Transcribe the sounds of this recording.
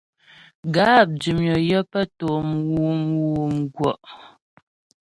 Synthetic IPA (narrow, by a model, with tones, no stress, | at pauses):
ɡaː˦˨p̚d͡ʒi˨mjɔ˨jə˦pə˦to˨mwu˦mwu˨m˦ɡwɔ˨ʔ